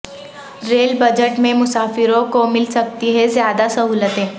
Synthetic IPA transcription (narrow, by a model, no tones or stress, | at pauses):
ɾeːlbəd͡ʑəʈmẽmʊsaːfɪɾõkomɪlsək̚t̪iɦezjad̪asəɦuːlət̪ɦẽ